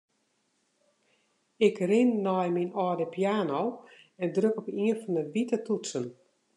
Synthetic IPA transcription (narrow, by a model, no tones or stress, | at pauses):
ɪkrɪnːɔjminɔːdəpjaːnoː | ɛndrøkɔpiənfɔndəʋitətutsən